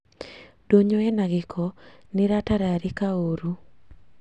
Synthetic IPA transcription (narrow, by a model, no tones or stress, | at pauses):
d̥oɲoɛnaɡɪkʰɔnɪɾataɾaɾɪkaoɾu